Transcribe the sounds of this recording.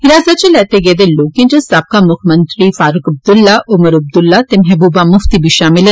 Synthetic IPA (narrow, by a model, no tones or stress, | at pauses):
ɪɾaːzat̪̚t͡ʃelɛːt̪eɡeːd̪eloːkẽd͡ʒɐ̃saːb̚kamʊkʰmə̃nt̪ɾifaːɾʊkɐb̚d̪ʊlːaʔʊməɾɐb̚d̪ʊlːat̪emɛbuːbamʊft̪ibʱiʃaːmɪlə